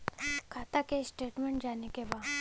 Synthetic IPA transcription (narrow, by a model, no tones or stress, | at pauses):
kʰat̪akesʈeʈmeɳʈd͡ʑanekeba